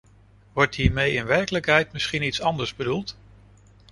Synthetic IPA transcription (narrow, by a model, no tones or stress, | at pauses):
ʋɔɹtɦiːɹmejɪnʋɛɹkələkɦɛjtmɪsχinitsɑndəɹzbədulˠt